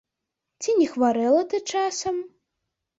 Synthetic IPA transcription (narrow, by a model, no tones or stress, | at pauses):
t͡sʲinʲɛxvaɾɛlˠɐt̪ɨt͡ʂasɐm